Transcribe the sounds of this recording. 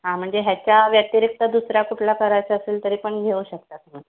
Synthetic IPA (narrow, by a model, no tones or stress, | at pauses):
ɦãm̤əɳd͡zeɦjat͡ɕjaʋjət̪iɾik̚t̪əd̪usɾjakuʈʰlakəɾajt͡ɕeəseːlt̪əɾiːpəɳɡʱeuɕək̚t̪at̪m̤ə